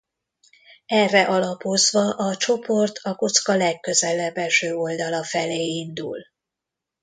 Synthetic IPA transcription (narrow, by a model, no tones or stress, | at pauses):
ɛrːɛʔɒlɒpo̞zʋɒʔɒt͡ʃo̞po̞rt̪ʰɒko̞t̪skɒlɛkːø̞zɛlɛbːɛʃøːo̞ld̪ɒlɒfɛleːind̪ṵl